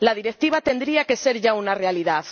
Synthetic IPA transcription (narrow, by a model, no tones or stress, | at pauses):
lað̞iɾek̚t̪iβ̞at̪e̞nd̪ɾiake̞se̞ɾʝaunarealiðað